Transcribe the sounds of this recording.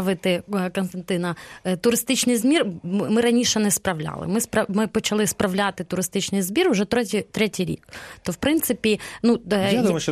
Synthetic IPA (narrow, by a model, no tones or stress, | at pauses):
ɐʋɨt̪ɪknst̪ɐnt̪ɨnɐt̪ʊɾɨst̪ɪt͡ɕnɨjzmʲirmɨɾɐnʲiʂɛnɛspɾɐʋlʲa̰lˠɪ̰mɪspɾɐmɪpɔt͡ɕɐlˠɪspɾɐʋlʲat̪ɪt̪ʊɾɨst̪ɪt͡ɕnɨjzbʲirʊʐɛt̪ʲt̪ɾɛtʲijɾʲḭkt̪ofpɾɪnt̪sɨpʲinujad̪um